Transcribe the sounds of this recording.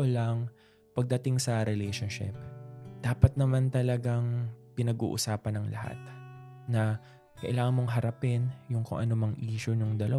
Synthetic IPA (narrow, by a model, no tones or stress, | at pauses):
olɐŋ | pɐɡ̚d̪ɐt̪ɪŋsɐɾɛlɛjʃonʃɪ̰p̚d̪̥aːpɐt̪̚nɐmant̪ɐlɐɡaŋpɪnɐɡṵːʔʊ̰saːpɐnɐŋlɐ̰ha̰t̪̚ | nɐ | kɐʔɪlaːŋɐnmo̞ŋɦɐɾɐpɛnjʊŋko̰ŋʔɐ̰no̞mɐŋʔiːʃʊnʊŋd̪ɐlɐ